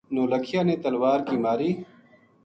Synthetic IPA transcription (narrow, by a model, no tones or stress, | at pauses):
noːləkʰijaːneːt̪ɐlwaːɾkiːmaːɾiː